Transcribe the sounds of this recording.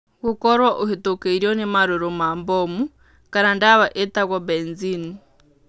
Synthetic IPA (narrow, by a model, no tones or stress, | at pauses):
ɣukoɾwaʔoɦitokeiɾjonemaɾoɾomaːmbomu | kaɾandaβaʔetaɣwabenzini